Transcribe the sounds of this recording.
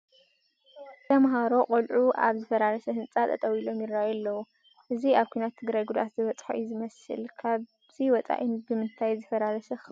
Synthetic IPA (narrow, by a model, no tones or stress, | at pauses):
t̪ʰɐmɦaɾo̞qʼolʕuʔa̰βzɨfɐlalɐsɐhɨnt͡sʼat̪ʰʼɐt̪ʼɐwilo̞mjɪɾːajɐlːɐwu | ʔɨziaβkʰujnat̪ʰːɨɡɾajɡud̪ʔa̰t̪zɨβɐt͡sʼħo̰ʔjzɨmɐsɨ̰lkʰaβ | z̥iwɔt͡sʼa̰ʔinbɨmɨnt̪ʰajzɐfɐlalɐsɐx